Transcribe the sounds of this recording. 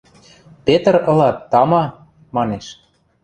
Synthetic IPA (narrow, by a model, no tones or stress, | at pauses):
pet̪ərɤ̆lɑt̪ːɑmɑ | mɑneʃ